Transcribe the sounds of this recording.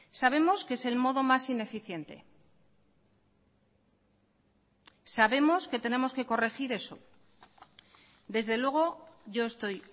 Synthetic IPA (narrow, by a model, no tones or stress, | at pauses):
saβ̞e̞mo̞skese̞lmo̞ðo̞masine̞fiθje̞nt̪e̞̰ | saβe̞mo̞ske̞t̪ene̞mo̞ske̞ko̞re̞xiɾe̞so̞ | d̪e̞zðe̞lwe̞ɣ̞o̞ʝo̞e̞st̪o̞j